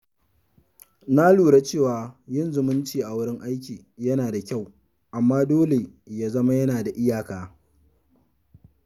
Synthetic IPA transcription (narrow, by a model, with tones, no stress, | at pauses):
na˦luː˨ɽa˦t͡ʃeː˦˨waː˨jɪ˦˨nzʊ˨mʊ˦nt͡ʃiː˨ʔa˨wʊ˦ɽɪ˦ŋʔa˦jk̬ʲiː˨ | jɐ˦naː˨da˨kʲa˦˨w | ʔa˨mːaː˦doː˦le˨ | jaː˦zɐ˦ma˦jɐ˦naː˨da˨ʔɪ˦jaː˨kaː˨